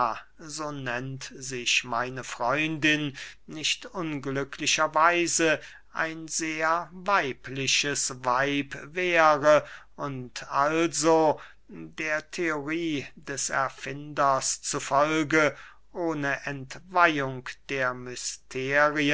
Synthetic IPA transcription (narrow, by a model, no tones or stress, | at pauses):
zoːnɛntzɪçmaɪnəfʁ̥ɔʏndɪnːɪçtʔʊnɡlʏkʰlɪʃɐvaɪzə | ʔa̰ɪnzeːɐvaɪplɪʃəsvaɪpvɛːʁəʔʊntʔalzo | deːɐtʰeoʁiːdɛsɛ̰ɐfɪndɐst͡sufɔlɡə | ʔoːnəʔɛntv̥aɪʊŋkd̥eːɐmʏstʰeːʁiə